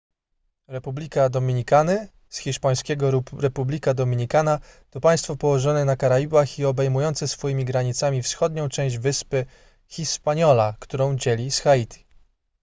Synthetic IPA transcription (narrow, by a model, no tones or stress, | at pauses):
ɾɛpublʲikad̪ɔmʲiɲikanɘ | sxʲiʂpaj̃skʲɛɡɔɾuɾɛpublʲikad̪ɔmʲiɲikanat̪ɔpaj̃st̪fɔpɔwɔʐɔnɛnakaɾaibaxiɔbɛjmujɔnt̪sɛsfɔjimʲiɡɾaɲit̪samʲifsxɔd̪ɲɔ̃w̃t͡ʂɛ̃w̃ʑd͡ʑvɘspɘ | xʲiʂpaɲɔlakt̪uɾɔ̃w̃d͡ʑɛlʲisxait̪ʰʲi̥